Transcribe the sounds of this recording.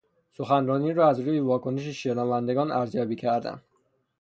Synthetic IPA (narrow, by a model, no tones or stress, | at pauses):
so̞xænrɒːniːɾɒːæzɾuːjevɒːkʰo̞neʃeʃenævænd̪e̞ɡɒːnæɾzjɒːbiːcʰæɾd̪æ̰n